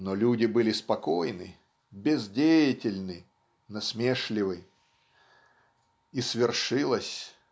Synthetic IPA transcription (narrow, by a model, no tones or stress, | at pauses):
nolʲudʲɪbɨlʲɪspɐko̞jnɨ̰ | bʲɪzdʲejɪtʲɪlʲnɨ | nɐsmʲeʂlʲɪvɨj | isvʲɪrʂɨlˠəsʲ